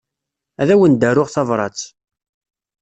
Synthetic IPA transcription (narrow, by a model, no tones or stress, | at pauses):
æðæwənd̪ərʊʁθɑvɾˤɑ̰t͡sː